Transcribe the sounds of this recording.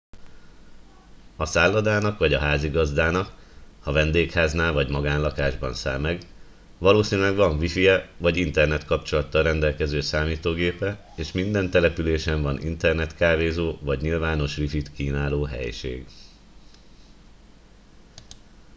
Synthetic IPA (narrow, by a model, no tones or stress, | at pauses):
ɒsaːlːɒd̪aːnɒkʋɒɟɒɦaːziɡɒzd̪aːnɒkhɒvɛnd̪eːkhaːznaːlvɒɟmɒɡaːnlɒkaːʒbɒnsa̰ːlmɛɡ | vɒloːsiːnylɛɡʋɒɱvifiɛvɒɟint̪ɛrnɛt̪kɒpt͡ʃo̞lɒt̪ːɒlrɛnd̪ɛlkɛzøːsaːmiːt̪oːɡeːpɛ | eːʃmind̪ɛnt̪ɛlɛpyleːʃɛɱvɒnʔḭnt̪ɛrnɛt̪kaːveːzoːvɒɟɲilvaːno̞ʃʋifit̪kiːnaːloːɦɛ̰jʃḛːɡ